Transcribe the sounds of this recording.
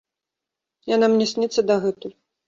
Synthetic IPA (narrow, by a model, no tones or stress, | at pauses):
janamnʲɛsʲnʲɛt̪sːɐd̪ɐɣɛt̪uj